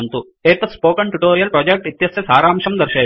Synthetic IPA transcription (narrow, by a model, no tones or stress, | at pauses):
nt̪u | eːt̪ɐspoːkɐɳʈuʈoːɾijɐlpɾɐːd͡ʒek̚ʈit̪jɐsjɐsaːɾaːmʂɐmd̪ɐɾʃeː